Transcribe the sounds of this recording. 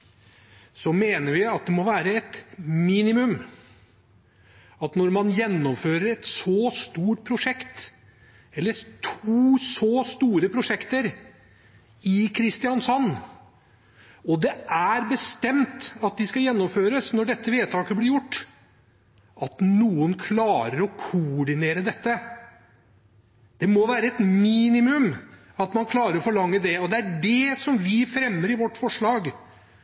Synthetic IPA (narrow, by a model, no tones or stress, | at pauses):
sɔmeːnəɾʋɪɑt̪̚d̪ɛmɔʋæːɾəɛt̪miːnɪmʉm | ɑt̪nɔɾmɑnjɛnːɔmføːɾəɾɛt̪sɔst̪uːʈ̚pʰɾʊʂɛkt̪ | ɛlːət̪ʰuːsɔst̪uːɾəpʰɾʊʂɛkt̪əɾ | ɪkʰɾɪst̪ɪɑnsɔnː | ɔd̪ɛæɾbəst̪ɛmt̪ɑt̪̚d̪ɪskɑjɛnːɔmføːɾəsnɔɖɛt̪ʰːəʋeːt̪ʰɑːkəblɪɾjʊʈː | ɑt̪nuːənkʰlɑːɾəɾɔkʰʊɖɪneːɾəd̪ɛt̪ːə | d̪̥ɛmɔʋæːɾəɛt̪miːnɪmʉm | ɑt̪mɑnkʰlɑːɾəɾɔfɔɭɑŋːəd̪ɛɔd̪ɛæɖɛsɔmʋɪfɾɛmːəɾɪʋɔʈːfɔʂɭɑːɡ